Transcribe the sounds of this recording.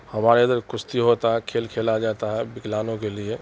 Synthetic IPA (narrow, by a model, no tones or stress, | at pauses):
həmaɾəd̪əɾkʊst̪iɦot̪aɦɛkʰeːlkʰelad͡ʒat̪aɦɛbɪklaːnõkelie